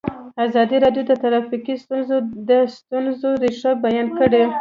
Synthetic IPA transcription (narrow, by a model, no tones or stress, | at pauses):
azɑd̪iɾɑɖjod̪ət̪aɾɑfikist̪unzod̪əst̪unzoɾiʂabajɑnkəɽe